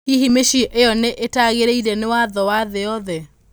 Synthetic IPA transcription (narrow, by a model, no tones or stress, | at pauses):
iɦimeʃiʔeɔneʔetaɣeɾeiɾɛnewaðɔwaðeɔðɛ